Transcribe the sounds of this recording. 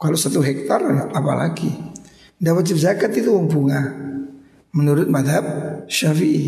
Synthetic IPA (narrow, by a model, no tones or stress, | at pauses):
kalosat̪uɦɛk̚t̪arʔapa̰lʔa̰ɡi | dapat̪̚t͡ʃəbzakat̪it̪uumpuŋa | mənuɾʊt̪̚mad̪ɦab̚ʃafiʔi